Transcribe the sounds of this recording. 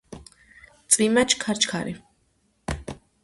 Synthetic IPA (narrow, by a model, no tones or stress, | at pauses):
t̪sʼimat͡ʃʰkʰaɾt͡ʃʰkʰaɾi